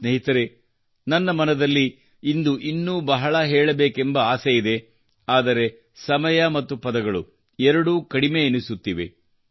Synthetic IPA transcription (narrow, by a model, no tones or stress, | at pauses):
sneɦit̪ɐɾe | nɐnːɐmɐnɐd̪ɐlːi | ind̪uʔinːuːbɐɦɐɭɐɦɛːɭɐbeːkembɐaːsejid̪e̞ | aːd̪ɐɾe̞ | sɐmɐjɐmɐt̪ːupɐd̪ɐɡɐɭu | ɛɾɐɽuːkɐɽime̞ːnisut̪ːiʋḛ